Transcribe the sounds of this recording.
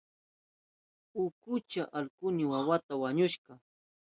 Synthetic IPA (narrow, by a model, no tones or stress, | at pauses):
ʊkʊt͡ʃaʔalkʊnɪwawat̪awaɲʊʃɢɑ